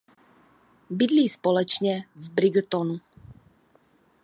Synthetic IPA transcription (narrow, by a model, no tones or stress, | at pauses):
bid̪liːspɔlɛt͡ʃɲɛvbɾiɡt̪ɔnu